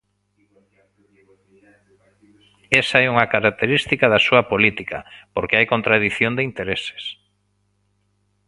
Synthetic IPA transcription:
esaɛuŋakaɾak̚t̪eɾist̪ikaðasuɐpolit̪ika̰poɾkeajkont̪ɾaðiθjond̪eint̪eɾese̥s

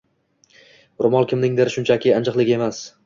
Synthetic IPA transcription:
ɾʊmɒlˠkʲʰɪmnɪŋd̪ɪɾʃʊnt͡ʃʰakʲʰɪand͡ʒɨqlˠɪkʲe̞mas

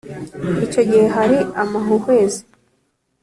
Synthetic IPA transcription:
ico̞ɟihe̞ɦaɾiamaɦuhwe̞ːzi̥

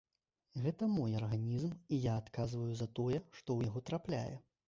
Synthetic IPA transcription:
ɣɛt̪ɐmɔjarɣanʲizmijaːt̪kazvɐjuzɐt̪ɔjɛʂt̪ɔwjaɣɔt̪ɾaplʲa̰jɛ̰

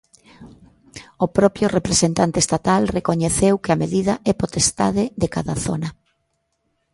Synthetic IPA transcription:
ʊpɾɔpɾjʊrepɾesent̪ant̪est̪at̪alrekoɲeθewkɪameðiðɐʔɛpot̪est̪a̰ðɪðekaðaθonɐ

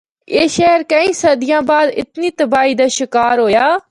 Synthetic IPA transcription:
eːʃɛɦəɾkəĩːsəd̪ɪjãːbaːd̪ɪ̰t̪niːt̪əbaːiːd̪aːʃɪkaːɾɦoːjaː

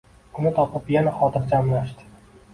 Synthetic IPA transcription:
ʊnɪt̪ʰɒpɪpjanaχɒt̪ʰɪɾd͡ʒamlaʃd̪ɪ̥

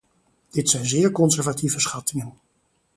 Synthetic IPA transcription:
d̥ɪtsɛjnzɪːɹkɔnzɛɹvativəsχɑtɪŋən

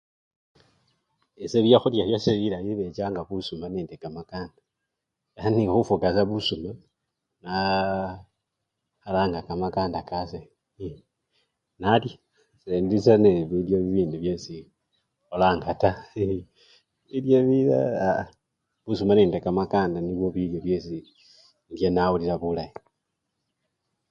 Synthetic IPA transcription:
eseβjaxuljaβjoseβilajiβe̞t͡ʃaːŋɡaβusumaneːndekamakaːnda | aanixufukasaβusuma | na | alaːŋɡakamakaːndakase | nalja | sendisaneβiljoβiβiːnduβjesi | olaːŋɡata | βiljoβia | βusumaniːndekamakaːndaniβwoβiljoβjesi | ndjenauliɾaβulaje

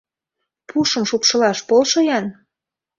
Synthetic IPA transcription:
puʃɤ̆mʃupʃɤ̆lɑʃpolʃɤjɑn

